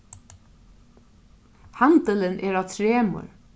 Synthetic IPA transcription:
hand̪ələnʔɛːɹaːʋt̪ʰɹeːmʊ̰ɹ

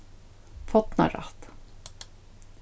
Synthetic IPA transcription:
fɔt̪na̰ɾa̰t̪

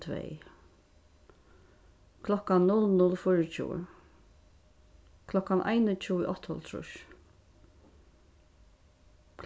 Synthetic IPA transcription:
t̪ʰvɛ̰j | kʰlɔkannʊlnʊlfʊɹət͡ʃʰṵː | kʰlɔkanʔa̰jnət͡ʃʰuːʔɔt̪hɔlt̪ʰɾʊ̰ʃ | k

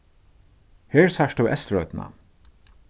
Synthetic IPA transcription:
heːɹsæʃtəːʔɛst̪ɹɔʏt̪nɑ̰

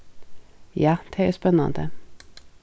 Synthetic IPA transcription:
jɑːd̪̥ʰɛɛspɛnɑ̰nd̪ə

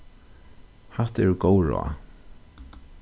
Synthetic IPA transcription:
hat̪ɛɹɡowɹɔ̰

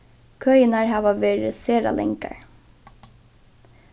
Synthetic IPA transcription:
kʰœjɪnaɹɦɑːʋaʋeːɾɪseːɾa̰lʔɛ̰ŋka̰ɹ

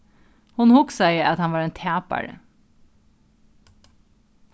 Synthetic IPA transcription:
hʊnhʊksæɪɑt̪hɑnʋɑːɾeːnt̪ʰæːpæ̰ɹə̰

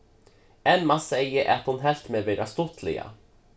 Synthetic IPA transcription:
ɛnmasɛjəɾʔa̰t̪hʊnɦɛlt̪meʋeːɾast̪ɔt̪ʰlɪ̰ɡa̰

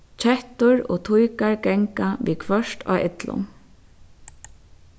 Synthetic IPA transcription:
t͡ʃʰɛht̪ʊɹo̰ːt̪ʰʊjkaɹɡɛŋkaʋiːkʰvœʂt̪ʰa̰ːɪt̪lʊ̰

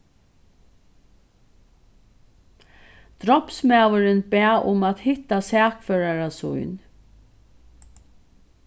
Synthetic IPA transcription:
d̪̥ɾɔpsmɛːwəɾɪnbɛaʔʊmat̪hɪht̪asɛːkfœɹaɹasʊ̰jn

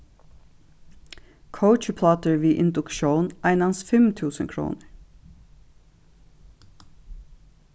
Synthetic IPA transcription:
kʰəʊt͡ʃpʰlɑt̪əɹʋiːʔɪnd̪ʊkʃoːnʔæɪnɑnsfɛmt̪ʰʉːsənkʰɹṵːnəɹ

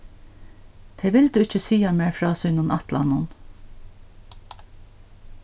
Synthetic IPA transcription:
t̪ʰɛʋɪld̪uɪt͡ʃəsiːameːɹfɾɑːsʏːnʊnʔat̪la̰nʊn

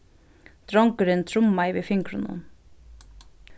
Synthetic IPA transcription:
t̪ɾɔŋkʏɾɪnt̪ʰɾʊmːaɪvifɪŋkɾʊnʊ̰n

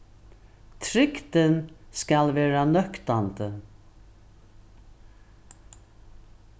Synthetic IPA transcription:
t̪ʰɾɪkt̪ənskɑlʋeːɹanœkt̪and̪ə

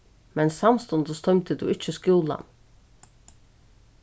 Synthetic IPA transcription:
mɛnsamst̪ʊnd̪əst̪ʰɔʏmt̪əd̪uʔɪt͡ʃːəskuːla̰n

